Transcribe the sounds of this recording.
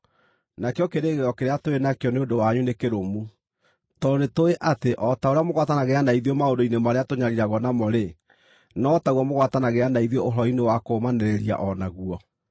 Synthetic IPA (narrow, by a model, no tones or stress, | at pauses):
nakeɔkeɾeɣeɔkeɾeatoenakeɔneondowaɲunekeɾomu | tɔnetoeʔateʔɔtaoɾeamoɣwatanaɣeanaiðiɔmaondoinemaɾeatoɲaɾiɾaɣɔnamɔɾe | nɔːtaɣwɔmoɣwatanaɣeanaiðooɦɾɔinewakomanɛɾeɾia̰ʔɔnaɣuɔ